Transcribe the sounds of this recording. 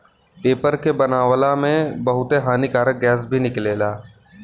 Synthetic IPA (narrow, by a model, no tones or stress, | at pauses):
peːpəɾkebənaːʋlamẽbɐɦʊt̪eɦaːnikaːɾək̚ɡɛːs̬bʱinɪkleːlaː